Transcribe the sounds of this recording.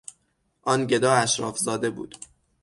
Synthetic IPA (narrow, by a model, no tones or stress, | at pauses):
ʔɒːnɟe̞d̪ɒːæʃɾɒːfzɒːd̪e̞bṵːd̪̥